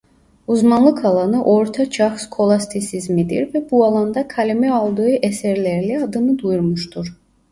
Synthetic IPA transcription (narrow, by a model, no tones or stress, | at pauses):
uzmɑnlˠɯkʰɑlˠɑnɯʔo̞ɾt̪ʰat͡ʃʰɑxskʰo̞lˠast̪ʰisizmid̪ḭɾvɛbuɑlˠɑnd̪ɑkʰalimɛɑlˠd̪ɯɯʔɛsɛɾlæɾliɑd̪ɯnɯd̪ujuɾmuʃt̪ʰuɾ